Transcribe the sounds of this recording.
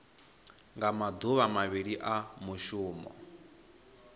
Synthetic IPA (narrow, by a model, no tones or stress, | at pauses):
ŋɡamad̪uβamaβiɺiʔamuʃuːmɔ̰